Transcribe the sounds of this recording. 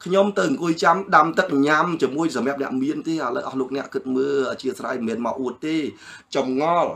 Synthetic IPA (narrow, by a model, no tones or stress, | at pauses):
kʰɲomt̪ɨwŋkuəjt͡ɕamɗamt̪ɨk̚ɲamt͡ɕiəmuəjsɑmɛ̆əp̚nɛ̆əʔmiənt̪eːʔalə̰wʔɑhloːk̚nɛ̆əʔkɨt̪̚məːlʔəːt͡ɕiəsra̰jmɛːnma̰ːwʔuət̪̚ːeː | t͡ɕɑmŋɑl